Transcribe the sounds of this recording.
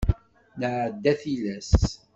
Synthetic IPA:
nəʕəd̪ːæθilæs

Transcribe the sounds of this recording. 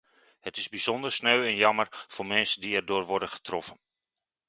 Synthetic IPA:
hətɪzbiz̥ɔndərsnøːɛnjɑmərformɛnsədiɛrdʊːrʋɔrdəχə̥trɔfən

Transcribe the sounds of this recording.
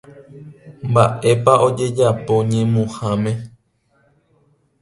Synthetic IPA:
mbaʔe̞paʔo̞d͡ʒe̞d͡ʒapo̞ɲẽmũhãmẽ

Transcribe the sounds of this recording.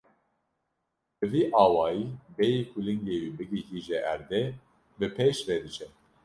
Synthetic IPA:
bɨviːʔɑːwɑːjiːbɛjikʰulɨŋɡeːwibɨɡihiʒɛʔæɾd̪ɛ | bɨpʰeʃvɛd̪ɨt͡ʃʰɛ

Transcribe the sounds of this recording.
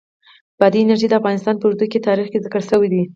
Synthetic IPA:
b̥ɑd̪iɪnaɾʒid̪əafɣɑnɪst̪ɑnpəuɾd̪uket̪ɑɾixkezɪkəɽʃəwid̪i

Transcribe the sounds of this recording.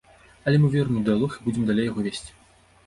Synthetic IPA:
ɐlʲɛmɨvʲɛrnʲd̪ɨjalˠɔxibud͡zʲɛmd̪alʲejaɣɔvʲesʲt͡sʲ

